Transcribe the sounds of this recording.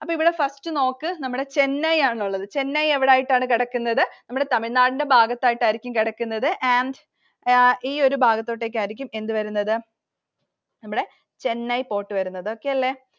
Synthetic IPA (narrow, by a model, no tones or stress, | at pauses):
ɐpːoːiʋiɽe̞fɐstɨno̞ːkːɨnɐmːuɽe̞t͡ɕe̞nːɐjaːɳuɭːɐðɨt͡ɕe̞nːaje̞ʋiɽaːjiʈːaːɳɨkiɽɐkːunːɐðɨnɐmːuɽe̞t̪ɐmiɭnaːɽinde̞bʱaːɡɐt̪ːaːjiʈːaːjiɾikʲːumkiɽɐkːunːɐðɨʔɐɳɖ | iːo̞ɾubʱaːɡɐt̪ːo̞ːʈːe̞ːk̬ʲːaːɾikʲːume̞nd̪ɨʋɐɾunːɐðɨ | nɐmːuɽe̞ | t͡ɕe̞nːɐjpo̞ːʈːɨʋɐɾunːɐðɨo̞kːe̞jɐlːe̞ː